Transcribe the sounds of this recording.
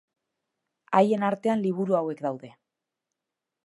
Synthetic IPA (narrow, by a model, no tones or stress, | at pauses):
aje̞naɾt̪e̞anliβ̞uɾuawe̞kd̪awðe̞